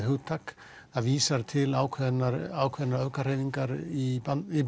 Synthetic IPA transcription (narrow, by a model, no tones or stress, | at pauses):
hʏwt̪ʰːak | aðviːsaɾt̪ʰɪlaːwkʰɛðnaɾaːwkʰɛðnaɾœkar̥eːjviŋkaɾiaɪ